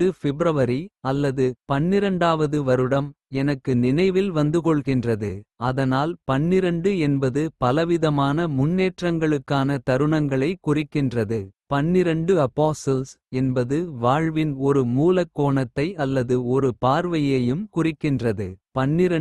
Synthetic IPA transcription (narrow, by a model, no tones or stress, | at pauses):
ɯfɪbɾɐʋɐɾiɐlːɐðɯpɐnːɪɾɐɳɖaːʋɐðɯʋɐɾɯɽɐm | ɛnɐkːɯnɪnɐɪʋɪlʋɐnd̪ɯkɔɭɣɪndrɐðɯɐðɐnaːlpɐnːɪɾɐɳɖɯɛnbɐðɯpɐlɐʋɪðɐmaːnɐmʊnːeːʈrɐŋɡɐɭɯkːaːnɐt̪ɐɾɯɳɐŋɡɐɭɐɪkːʊrɪkːɪndrɐðɯpɐnːɪɾɐɳɖɯɐpːaːsɐls | ɛnbɐðɯʋaːɻʋɪnɔɾɯmuːlɐkːoːɳɐt̪ːɐɪɐlːɐðɯɔɾɯpaːɾʋɐjeːjɯmkʊrɪkːɪndrɐðɯpɐnːɪɾɐ